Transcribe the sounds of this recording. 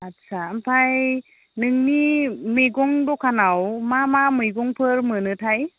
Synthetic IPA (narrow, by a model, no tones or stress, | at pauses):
atsʰampʰaj | nɯŋnimeɡɔŋdɔkʰanawmamamɯjɡɔŋpʰɯɾmɯnɯtʰaj